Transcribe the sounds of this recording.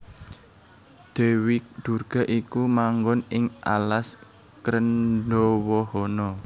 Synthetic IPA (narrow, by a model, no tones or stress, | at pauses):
d̪̥e̤wid̪̥urɡ̥a̤ʔikumaŋɡɔnɪŋʔa̰las | kɾənɖɔwɔhɔnɔ